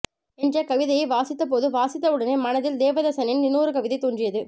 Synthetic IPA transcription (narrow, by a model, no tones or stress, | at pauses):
ɛndrɐkɐʋɪðɐjɐɪʋaːsɪt̪ːɐp̬oːðɯʋaːsɪt̪ːɐɯɽɐneːmɐnɐðɪld̪eːʋɐðɐsɐnɪnnɪnːuːɾɯkɐʋɪðɐɪt̪ːuɳrɪjɐðɯ